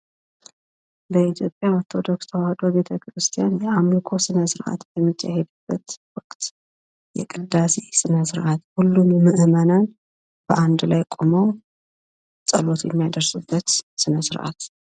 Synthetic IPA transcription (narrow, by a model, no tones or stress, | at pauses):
bəit̪ʰjo̞pʼːjaoɾt̪ʰo̞d̪o̞kst̪ʰəwahəd̪o̞be̞t̪ʰəkɾɨst̪ʰijanjɛʔamlikʰo̞sɨnəsɨɾʔa̰t̪bɛmːit͡ʃːa̰hed̪ubːət̪wɔkʼt̪ | jɛ̰kʼɨd̪ːasesɨnəsɨɾʔat̪hulːummɨʔmənan | b̥əʔand̪lajkʼuməw | sʼəlo̞t̪jɛmːijad̪əɾsɨbːət̪sɨnəsɨɾʔa̰t̪